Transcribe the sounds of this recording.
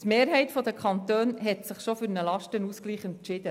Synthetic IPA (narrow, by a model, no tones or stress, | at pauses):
t̪meːɾɦɛɪt̪fɔd̪əkʰχɑnt̪øːnɦɛt̪sɪχʃofyɾnəlɑʃtənuskliːχɛnʃɪd̪ə